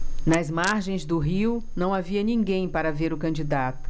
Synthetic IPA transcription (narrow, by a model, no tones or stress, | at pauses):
nɐzmaɾʒẽj̃zd̪ʊɦiwnɐ̃w̃aviɐnĩŋɡẽj̃paɾɐveɾʊkɐ̃nd͡ʒid̪at̪ʊ̥